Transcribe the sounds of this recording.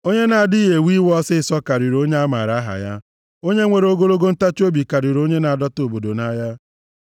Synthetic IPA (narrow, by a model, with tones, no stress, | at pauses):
o˦ɲe˦na˨a˨di˦ɦe˨wi˦wɔ˦sɪ˦sɔ˦ka˨ɾi˨ɾo˦ɲe˦a˦ma̰˨ɾa˦ɦa̰˨ja̰˦ | o˦ɲe˦ŋʷe˨ɾo˦ɡo˦lo˦ɡo˦n̩˦ta˦t͡ʃo˦bi˨ka˨ɾi˨ɾo˦ɲe˦na˨a˨dɔ˦to˨bo˨do˨na˦ja˦